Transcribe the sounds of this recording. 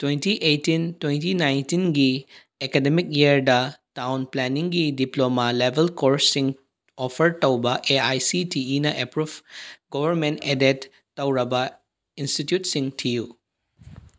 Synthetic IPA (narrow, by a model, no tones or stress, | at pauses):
twentiʔejtintwentinajntinɡi | ekedemik̚jiɾdɐtawnplɛniŋɡidiplomalebʱelkoɾsːiŋ | opʰɐɾtɐwbɐʔeajsitiːnɐʔepɾubɡobʱɐɾmentedetː | ɐwɾɐbɐ | institjut̚siŋtʰiju